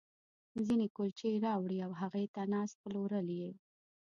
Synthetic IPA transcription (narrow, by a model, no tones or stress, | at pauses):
zinekolt͡ʃejɾɑwɽiawɦaɣet̪anɑsploɾəlje